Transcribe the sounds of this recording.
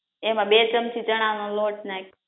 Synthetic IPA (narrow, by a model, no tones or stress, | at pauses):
emãɓeːt͡ʃəmt͡ʃʰit͡ʃəɽ̃anõloːʈ̚nãek